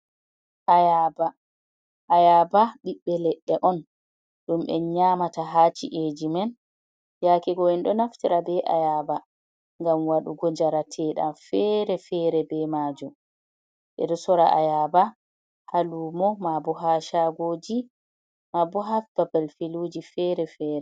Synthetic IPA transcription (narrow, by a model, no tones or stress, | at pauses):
ʔajaba | ʔːjabaɗiɓːɛlɛɗːɛʔɔn | ɗumʔɛ̰ɲaːmataɦaːt͡ʃḭʔed͡ʒimɛn | jakɛɡɔɛnɗɔnaftiɾabɛʔa̰jaːba | ŋɡamwaɗṵɡɔd͡ʒaɾatʰɛːɗa̰mfɛɾɛfɛːɾɛbɛmad͡ʒum | ɓɛ̰ɗɔsɔɾaʔa̰jaba | haluːmɔmabɔɦaʃaɡoːd͡ʒi | mabɔɦafbabalfiluːd͡ʒifɛɾɛfɛːɾɛ